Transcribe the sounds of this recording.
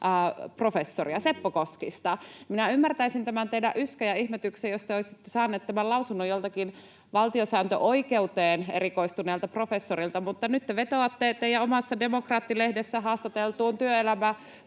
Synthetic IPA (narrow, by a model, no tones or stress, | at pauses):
pro̞fesːoriɑsepːokoskist̪ɑminæymːært̪æisint̪æmænt̪eidæʔyskæjɑihmet̪yksejost̪eoisit̪ːesɑːnːˑeːt̪t̪ːæmælɑusunːojolt̪ɑkin | ʋɑlt̪iosæːnt̪øʔoike̞ut̪eːneɾiko̞ist̪uneːlt̪ɑpro̞fe̞sːoɾilt̪ɑmut̪ːɑnyt̪ːeʋet̪oɑt̪ːet̪ːejæomɑsːɑde̞mokrɑːt̪ːilehdesːæɦɑːst̪ɑt̪elt̪uːnt̪yøelæmæ